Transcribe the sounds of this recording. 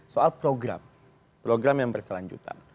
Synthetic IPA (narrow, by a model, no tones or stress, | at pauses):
soalpɾoɡɾa̰m | pɾoɡɾamjaŋbərkəlaɲd͡ʒṵt̪a̰n